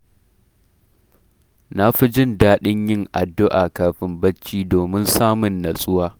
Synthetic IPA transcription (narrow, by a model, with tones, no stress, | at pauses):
na˦ɸi˦d͡ʒɪ˦˨ndaː˦ɗɪ˦ɲjɪ˦ŋʔa̰˨dːʊ˦ʔaː˨kaː˨ɸɪ˦mbɐ˦t͡ʃːiː˦doː˨mɪ˦nsaː˦mʊ˨nːɐ˨sʼʊ˦waː˦